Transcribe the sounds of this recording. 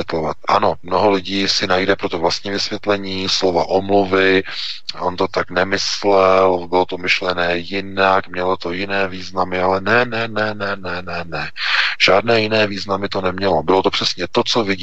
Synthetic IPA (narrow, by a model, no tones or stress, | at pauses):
jɛt̪lovat̪ʔa̰no̞mnoɦo̞lɪɟiːsɪnajdɛpɾot̪ovlast̪ɲiːvɪsvjɛt̪lɛɲiːslova̰ʔomluvɪʔont̪o̞t̪aknɛmɪslɛlbɪlo̞t̪o̞mɪʃlɛnɛːjɪnakmɲɛlo̞t̪ojɪnɛːviːznamɪalɛnɛnɛnɛnɛnɛnɛnɛʒ̥aːdnɛːjɪnɛːviːznamɪt̪o̞nɛmɲɛlo̞bɪlo̞t̪o̞pr̥ɛsɲɛt̪o̞t͡so̞vɪɟ